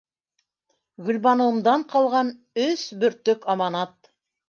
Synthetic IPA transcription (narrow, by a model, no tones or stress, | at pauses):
ɡɵ̆lβɑnɤ̆wɤ̆md̪ɑɴqɑlˠʁɑn | ɵsbɵ̆ɾt̪ɵkɑmɑnɑt̪